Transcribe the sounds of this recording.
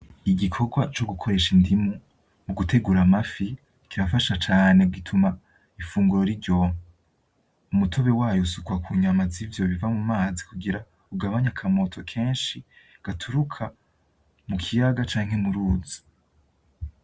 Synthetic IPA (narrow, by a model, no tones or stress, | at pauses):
iɡikʰo̞ɡwat͡ʃo̞ɡukʰo̞ɾe̞ʃindimu | muɡutʰe̞ɡuːɾamafi | kiβafaʃat͡ʃaːneɡitʰuma | ifuːŋɡuɾo̞ɾiɾɟo̞ːma | umutʰo̞βe̞waːjosukuakʰuɲamazivjo̞βivamumaːzikuɡiɾa | uɡaβaɲakʰamo̞tʰo̞kʰe̞ːnʃi | ɡ̥atʰuɾukʰa | mukʰijaɡat͡ʃaːŋ̥he̞muɾuːzi̥